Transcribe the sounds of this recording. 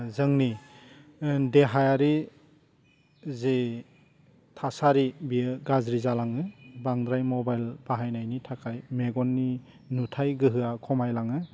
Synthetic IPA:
zɯŋni | deɦajaɾi | ze | tʰasaɾibiɡazɾizalaŋɯbaŋdɾajmɔbajlbaɦajnajnitʰakʰajmeɡɔnːi | nutʰajɡɯɦɯakʰɔmajlaŋɯ

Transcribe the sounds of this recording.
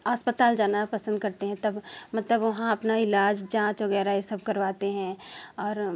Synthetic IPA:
aːspət̪aːld͡ʒaːnapɐsə̃nd̪̚kɐɾt̪eɦɛ̃t̪ɐbmɐt̪ləbʋɐɦãɐpnaɪlaːd͡ʒd͡ʒãːt͡ʃʋɐɣɛːɾajesəb̚kɐɾʋaːt̪eɦɛ̃ɔːɾ

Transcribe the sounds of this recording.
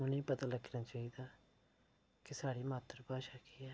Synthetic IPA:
ʊnĩːpət̪aːləɡnaːt͡ʃaːɦiːd̪aː | kɪsaːɽiːmaːt̪əɾpaːʃaːkiːɛː

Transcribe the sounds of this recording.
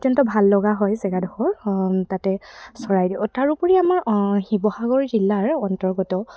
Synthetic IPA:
zɔntɔbʱalːɔɡaɦɔjsɛɡadʱɔxɔɹtatɛsɔɹajdibʊtaɹupɔɹiamaɹhibɔhaɡɔɹzilːaɹɔntɔɹɡɔtɔ

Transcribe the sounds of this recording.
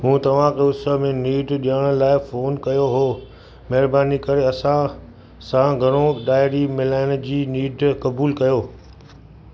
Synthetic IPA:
ɦũːt̪ɐʋ̤ãkʰeʊsəmẽniːɖɗijaɽ̃ʊ̆laːɪfoːnkɐjoɦoː | mɐɦɪɾbaːnikɐɾeɐsã | sãɡʱɐɽ̃oɗaːɪɾimɪlaːɪɽ̃ə̆d͡ʑiːniːɖkɐbuːlkɐjoː

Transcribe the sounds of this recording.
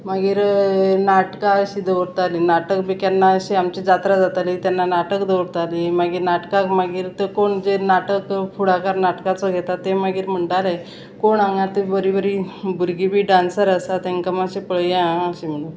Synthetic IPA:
maɡiːɾnaʈkaəɕid̪əʋɽt̪alinaʈəkbikjanːaəɕiamt͡ɕid͡zat̪ɾad͡zat̪alit̪janːanaʈəkd̪əɽt̪alimaɡiːɾnaʈkakmaɡiːɾt̪əkoɳd͡zenaʈəkfuɽakaɾnaʈkat͡sɔɡʱet̪at̪emaɡiːɾm̤əɳʈalaj | koɳaŋɡat̪ebəɾibəɾiːbuɾɡibʱiːɖãnsəɾasat̪eŋkəmaɕipəɭjẽɦãəɕim̤əɽ̃ul

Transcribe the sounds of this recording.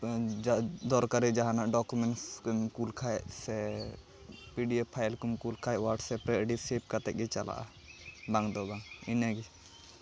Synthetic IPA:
d͡ʒd̪ɔɾkaɾɛd͡ʒaɦanaʔɖɔkumɛɳskmkulkʰaɛʔsɛ | piɖiepʰajlkumkulkʰaɛwaʈsɛpɾɛɖisep̚kat̪ɛk̚ɡɛt͡ʃala̰ʔa̰ | baŋd̪ɔbaŋinaɡi

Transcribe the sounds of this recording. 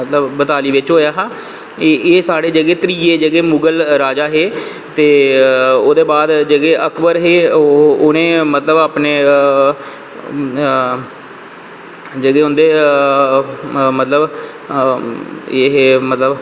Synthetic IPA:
ət̪ləbbət̪aːliːʋɪt͡ʃɦoːjaːɦãː | eːsaːɽeːd͡ʒəɡeːt̪əɾiːeːd͡ʒəɡeːmʊɡəlɾaːd͡ʒaːɦeː | t̪eː | oːd̪eːbaːd̪d͡ʒəɡeːʔəkʰbəɾɦeːʊnẽːmət̪ləbaːpneː | d͡ʒəɡeːɦʊ̃nd̪eː | mət̪ləb | eːɦeːmət̪ləb

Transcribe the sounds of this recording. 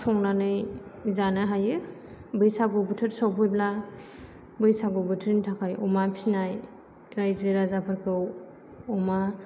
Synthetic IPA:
sʰɔŋnanɯjzanɯɦajɯ | bɯjsaɡɯbɯtʰɯɾsawpʰɯjbla | bɯjsaɡɯbɯtʰɾintʰakʰajɔmapʰinaj | ɾajzɯɾazapʰaɾkʰɯw | ɔma

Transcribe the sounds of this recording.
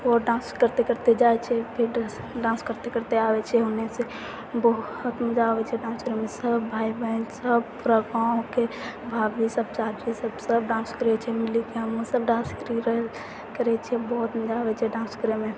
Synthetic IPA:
oɖãːnskəɾt̪ekəɾt̪ed͡ʒaːet͡ʃʰɛpʰɪɾ | ɖãːnskəɾt̪ekəɾt̪eaːʋet͡ʃʰeɦonese | bɔɦʊt̪məd͡ʒaːʋet͡ʃʰɛɖãːnskəɾemẽsəbːʱaːibənsəbpʊɾaɡãːke | bʱaːbisəb̚t͡ʃaːd͡ʒisəbsəbɖãːnskəɾet͡ʃʰɛmɪlikeɦəmosəbɖãːnskəɾiɾɦ | kəɾɛt͡ʃʰɛbɔːt̪məd͡ʒaːʋet͡ʃʰeɖãːnskəɾemẽ

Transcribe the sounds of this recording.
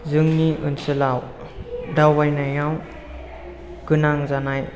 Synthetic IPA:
zɯŋniʔɯnsɯlaw | dawajnajaw | kɯnaŋzanaj

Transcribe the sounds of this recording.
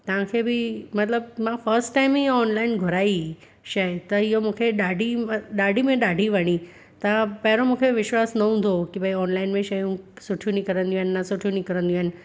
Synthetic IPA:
t̪ɐʋ̤ãkʰebɪmɐt̪ləbmãfɐɾsʈʈaɪmioɔːnlaːɪnɡʱʊɾaːi | ʃɐt̪ɐɪɦomũːkʰeɗaːɖʱimɗaːɖʱimẽɗaːɖʱiʋɐɽ̃i | t̪ɐpɐɦɪɾomũːkʰeʋɪʃwaːsnɐɦũnd̪ʱokibaiɔːnlaːɪnmẽʃɐjũsʊʈʰjũnikɐɾə̃nd̪ij̃ũɦnɪːasʊʈʰjũnĩkɐɾə̃nd̪ij̃ũɦɪnɪ̆

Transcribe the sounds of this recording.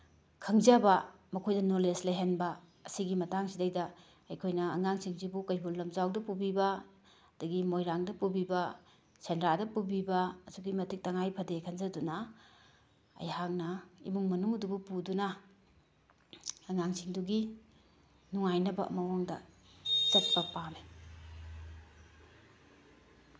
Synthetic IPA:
kʰɐŋzɐbɐ | mɐkʰojdɐnolesleɦenbɐ | ɐsiɡimɐtaŋsidɐjdɐ | ɐjkʰojnɐːŋaŋsiŋzibukɐjbulːɐmzawdɐpubibɐ | ɐdɐɡimojɾaŋdɐpubibɐ | sendɾadɐpubibɐːsuɡimɐtʰik̚tɐŋajpʰɐdekʰɐŋzɐdunɐ | ɐ̰jhaŋnɐḭmuŋmɐnuŋɐdubupudunɐ | ɐŋaŋsiŋduɡi | nuŋajnɐbɐ̰ʔɐ̰mɐwaŋdɐt͡ʃɐt̚pɐpame

